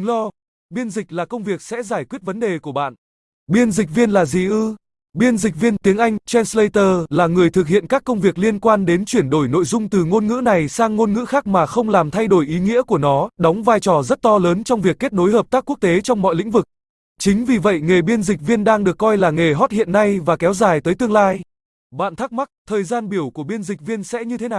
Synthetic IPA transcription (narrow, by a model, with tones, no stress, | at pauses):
lɔ˧ | ɓi˧ənzï˨˩k̟̚laː˨˩kə˧wŋ͡mvi˨˩ək̚sɛ̰˧˥zaː˧˩jkwi˦˥ət̚və˨˦nɗe˨˩ku˧˩əɓa̰ː˧˨n | ɓi˧ənzï˨˩k̟̚vi˧ənlaː˨˩zḭ˨˩ʔɨ˧ | ɓi˧ənzï˨˩k̚vi˧ənt̪i˨˦əŋʔa˧jŋ̟t͡ɕɛ˧nslə˧jt̪əː˧˩laː˨˩ŋɨ˨˩əjt̪ʰɨ˨˩k̚hḭ˧˨ənkaː˦˥kːə˧wŋ͡mvi˨˩ək̚li˧ənkwaː˧nɗe˨˦nt͡ɕwi˧˩ənɗo˧˩jno̰˧˨jzʊ˧ŋ͡mt̪ɨ˨˩ŋo˧nŋɨ̰˧˥na˨˩jsaː˧ŋːo˧nŋɨ̰˧˥xaː˦˥k̚maː˨˩xə˧wŋ͡mlaː˨˩mt̪ʰa˧jɗo˧˩jʔi˨˦ŋḭ˧˥ku˧˩ənɔ˨˦ɗɔ˨˦wŋ͡mvaː˧jt͡ɕɔ˨˩zə˦˥t̚t̪ɔ˧ləː˨˦nt͡ɕɔ˧wŋ͡mvi˨˩əkːe˦˥t̚no˨˦jɦəː˨˩p̚t̪aː˦˥kːu˦˥t̪e˨˦t͡ɕɔ˧wŋ͡mmɔ̰˧˨jlḭ̈˧˥ŋ̟vɨ˨˩k̚ | t͡ɕï˨˦ŋ̟vi˨˩və̰˧˨jŋe˨˩ɓi˧ənzï˨˩k̟̚vi˧ənɗaː˧ŋɗɨ˨˩əkːɔ˧jlaː˨˩ŋe˨˩ɦɔ˦˥t̚hḭ˧˨ənːa˧jvaː˨˩kɛ˨˦wzaː˨˩jt̪əː˨˦jt̪ɨ˧əŋlaː˧j | ɓa̰ː˧˨nt̪ʰaː˦˥k̚ma˦˥k̚t̪ʰəː˨˩jzaː˧nɓi˧˩əwku˧˩əɓi˧ənzï˨˩k̟̚vi˧ənsɛ̰˧˥ɲɨ˧t̪ʰe˨˦naː˨˩